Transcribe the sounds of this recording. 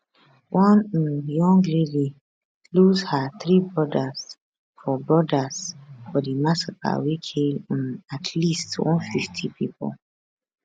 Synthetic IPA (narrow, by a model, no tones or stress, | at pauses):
wʔɔ̃n̩jɔ̃ŋɡledi | lushaθɹibɹɔdaz̥ | fɔbɹɔdaz̥fɔdimasaka̰wekʰel̃natʰlistwɔ̰̃nfiftʰipʰipɔ̰l